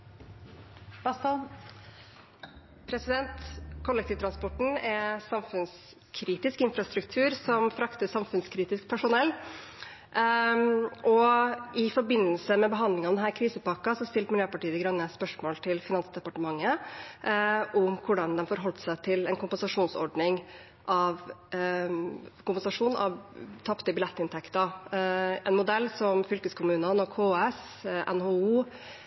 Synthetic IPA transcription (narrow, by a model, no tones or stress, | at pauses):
ɑ | pʰɾɛsɪd̪ɛnt̪kʰɔlːɛk̚t̪ʰiːʋt̪ɾɑnspɔʈɳ̩ɛsɑmfʉns | kʰɾiːt̪ɪskɪnfɾɑst̪ɾʉk̚t̪ʰʉːɾsɔmfɾɑkt̪əsɑmfʉnskʰɾiːt̪ɪskpʰæʂʊnɛlː | ʔɔɪfɔɾbɪnːəlsəmɛbəɦɑnd̪lɪŋɑʋd̪ɛnɦæːɾkʰɾiːsəpɑkɑsɔst̪ɪlt̪mɪljøːpɑʈiːəəɡɾœnːəspœʂmoːlt̪ʰɪlfɪnɑnsd̪ɛpɑʈəmɑŋːə | ʔʊmkʰʊɖɑnd̪ɛmfɔɾɦɔlt̪sæɪt̪ʰɪlɛnkʊmpɛnsɑʂuːnsɔ̰ɖnɪŋ | ʔɑʋ | kʊmpɛnsɑʂuːnʔɑ̰ʋt̪ʰɑpt̪əbɪlɛt̪ːɪnt̪ʰɛkt̪ɑ | ɛnmʊd̪ɛlːsɔmfʏlkəskʰʊmʉːnənɔkʰoːɛs | ʔɛ̰nɦoːuː